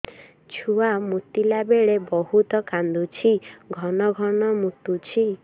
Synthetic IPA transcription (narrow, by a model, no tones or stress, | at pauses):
t͡ʃʰuamut̪ilabeɭebɔɦut̪ɔkand̪ut͡ʃʰiɡʱɔnɔɡʱɔnɔmut̪ut͡ʃʰi